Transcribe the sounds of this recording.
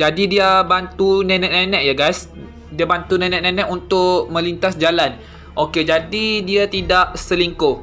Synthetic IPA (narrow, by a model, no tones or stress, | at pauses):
d͡ʒadidiabant̪unɛ̃nɛ̃ʔnɛ̃nɛ̃ʔjaɡajs | diabant̪unɛ̃nɛ̃ʔnẽnɛ̃ʔunt̪ʊʔmə̃lint̪asd͡ʒalan | ʔoked͡ʒadidiat̪idaʔsəliŋkʊh